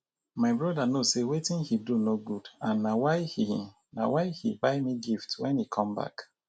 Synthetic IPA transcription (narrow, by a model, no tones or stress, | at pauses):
maɪbɹɔdanosewetĩnhidunoɡudãnːawaɪhi | na̰waɪhibaɪmiɡiftwɛ̰̃nhikʰɔ̃mba̰k